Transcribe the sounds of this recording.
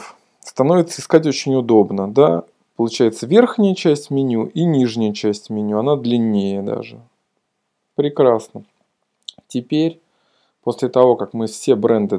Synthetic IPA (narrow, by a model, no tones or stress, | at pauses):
st̪ɐno̞vʲɪt̪səɨɪskatʲot͡ɕɪnʲʊd̪o̞bnəd̪a | pəlˠʊt͡ɕæjɪt̪səvʲe̞rxnʲɪjət͡ɕæsʲtʲmʲɪnʲuʔinʲiʐnʲɪjət͡ɕæsʲtʲmʲɪnʲuɐnad̪lʲɪnʲːejəd̪a̰ʐɨ | pɾʲɪkɾasnə | tʲɪpʲeɾʲ | po̞sʲlʲɪt̪ɐvo̞kakmɨfsʲe̞bɾɛnd̪ɨ